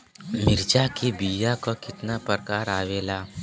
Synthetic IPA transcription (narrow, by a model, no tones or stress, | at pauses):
mɪɾd͡ʒakebiːjakokɪt̪napəɾkaːɾaːʋeːlaː